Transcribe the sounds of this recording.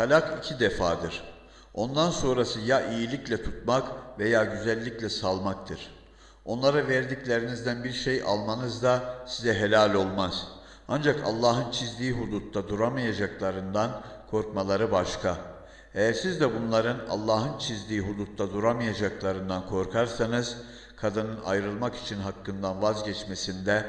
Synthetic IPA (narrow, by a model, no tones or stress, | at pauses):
t̪alʲakʰicʰid̪efaːd̪ɯɾ̥ | o̞nd̪anso̞nɾasɯjaʔijilʲiclʲɛt̪ʰut̪̚makve̞jaːɟyzælʲːiclʲɛsalˠmak̚t̪ʰɯɾ̥ | o̞nlˠaɾaveɾd̪iclʲeɾinizd̪ænbiɾʃe̞jʔa̰lˠmanɯzd̪asizɛɦe̞lʲalʲo̞lˠmaz̥ | and͡ʒaka̰lˠːaːɦɯnt͡ʃʰizd̪iːɦud̪ut̪ːad̪uɾamajad͡ʒaklˠaɾɯnd̪ankʰo̞ɾkmalˠaɾɯbaʃkʰa | ejæɾsizd̪ɛbunlˠaɾɯna̰lˠːaːɦɯnt͡ʃʰizd̪iːɦud̪ut̪ːad̪uɾamijad͡ʒaklˠaɾɯnd̪ankʰo̞ɾkʰaɾsanɯz̥ | kʰad̪ɯnɯna̰jɾɯlˠmaki̥t͡ʃʰinɦakʰːɯnd̪anvazɟɛt͡ʃmesind̪ɛ